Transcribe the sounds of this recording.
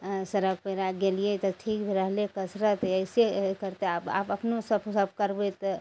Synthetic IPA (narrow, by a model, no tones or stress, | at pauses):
səɾəɡ̚pəjɾaɡelijet̪ɔʈʰikbʱeɾəɦlekəsɾat̪əɪsekəɾt̪eapa̰pəpnosəbsəb̚ʱkəɾbet̪